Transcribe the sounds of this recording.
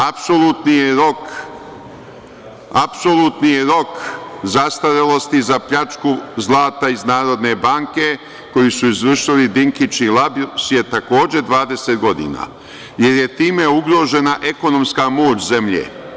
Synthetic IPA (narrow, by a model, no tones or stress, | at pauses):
apsolut̪nijeɾok | apsolut̪nijeɾo̞kzast̪aɾelˠo̞st̪izapʎat͡ʃkuzlˠaːt̪aiznaːɾo̞d̪ne̞baŋke̞ | ko̞jisuizʋr̩ʃilid̪iŋkit͡ʃnilabsje̞t̪ako̞ːd͡ʑe̞d̪ʋaːd̪e̞set̪ɡo̞d̪ḭːna̰ | je̞ɾje̞t̪iːme̞uɡɾo̞ːʒe̞naʔe̞ko̞no̞mskamo̞ːt͡ʃze̞mʎḛː